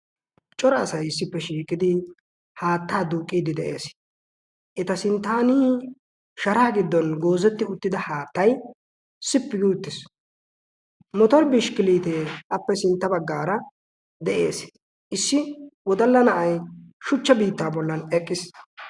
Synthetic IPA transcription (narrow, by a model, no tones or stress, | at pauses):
t͡ʃʼɔɾɐsɐjɪsːɪpːɛʃiːkʼːɪd̪ɪ | haːt̪ːaːd̪uːkʼːiːd̪ɪd̪ɛʔe̞̰ːs | ʔɪt̪ɐsɪnt̪ːaːniː | ʃɐɾaːɡɪd̪ːɔnɡo̞ːzɛt̪ːɪʊt̪ːɪd̪ɐhaːt̪ːɐj | sɪpːɪɡɪʊt̪ːɪs | mɔt̪ɔɾbɪʃkɪliːt̪eːʔɐpːɛsɪnt̪ːɐbɐɡːaːɾɐ | d̪ɛʔe̞̰ːs | ʔɪsːɪwɔd̪ɐlːɐnɐʔɐjʃʊt͡ʃːɐbiːt̪ːaːbɔlːɐnɛkʼːɪs